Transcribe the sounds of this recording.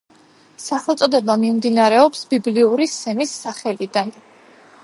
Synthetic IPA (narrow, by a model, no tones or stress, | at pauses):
saχɛlˠt̪sʼɔd̪ɛbamimd̪inaɾɛɔpsbibliuɾisɛmisːaχɛlid̪an